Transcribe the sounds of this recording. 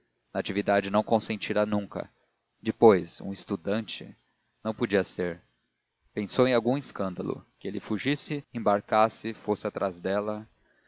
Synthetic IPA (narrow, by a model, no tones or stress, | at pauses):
nɐat͡ʃivid̪ad͡ʒɪnɐ̃w̃kõsẽnt͡ʃiɾanũŋkɐ̰ | d͡ʒɪpojsṵ̃ɪst̪ud̪ɐ̃nt͡ʃɪ̰ | nɐ̃w̃pod͡ʒiɐseɾ | pẽsowẽj̃awɡũɪskɐ̃nd̪ɐ̰lʊ̰kɪelɪfuʒisɪẽbaɾkasɪfosɪat̪ɾʔazd̪ɛlɐ